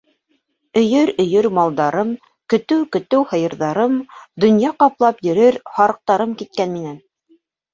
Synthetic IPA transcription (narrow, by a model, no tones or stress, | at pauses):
ɵ̆jɵɾɵ̆jɵɾmɑlˠd̪ɑɾɤm | kɵ̆t̪ɘwkɵ̆t̪ɘwhɤ̆jɤ̆ɾðɑɾɤmd̪ŏnjɑqɑplˠɑpjɵ̆ɾɘɾhɑɾɤ̆q̚t̪ɑɾɤmkit̪̚kænminæn